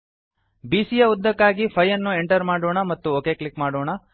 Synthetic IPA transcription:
biːsijɐud̪ːɐkːaːɡipʰɐjːɐnːue̞ɳʈɐɾmaːɽoːɳɐmɐt̪ːuoːke̞ːklikmaːɽoːɳɐ

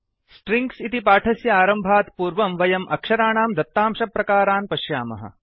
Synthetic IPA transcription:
sʈɾiŋksit̪ipaːʈʰɐsjɐaːɾɐmbʱaːt̪puːɾʋɐmʋɐjɐmʔɐkʃɐɾaːɳaːmd̪ɐp̚t̪ːaːmʃɐpːɾɐkaːɾaːnpɐʃjaːmɐ̰ɦɐ̰

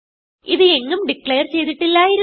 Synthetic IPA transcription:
iðɨe̞ŋːɐmɖikɭejɐrt͡ɕe̞jt̪iʈːilːaːjiɾ

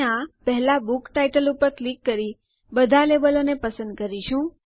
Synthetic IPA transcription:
ãpɛɦɛlabukʈaiʈəlupəɾklikːəɾi | bəd̪ʱaleʋəlonepəsə̃nd̪̚kəɾiʃũ

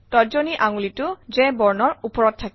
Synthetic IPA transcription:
tɔzoniʔaŋulitʊzɛ̃bɔɹnɔɹupɔɹɔttʰːak

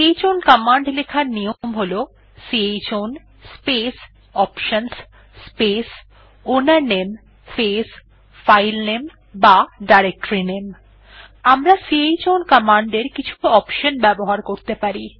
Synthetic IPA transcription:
ejt͡ɕonkamaɳɖlekʰaɾniomɦolo | siejt͡ɕon | spes | ɔpʃəns | spes | onaɾnem | fes | fajlnem | baɖaɾek̚ʈoɾinem | amɾasiejt͡ɕonkamaɳɖeɾkit͡ɕʰuɔpʃonbɛboɦaɾkoɾt̪epaɾi

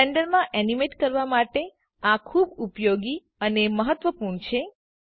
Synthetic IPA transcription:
eɳɖəɾmãʔɛnimeʈkəɾʋamaʈe | ãkʰubupjoɡi | əneməɦət̪ːʋəpuɾɳt͡ʃʰe

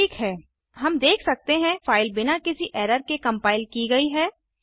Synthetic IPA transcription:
ʈʰiːkɦɛː | ɦɐmd̪eːkʰsɐk̚t̪eɦɛ̃faːɪlbɪnakɪsiʔɛːɾəɾkekɐ̃mpaːɪlkiɡɐiɦɛː

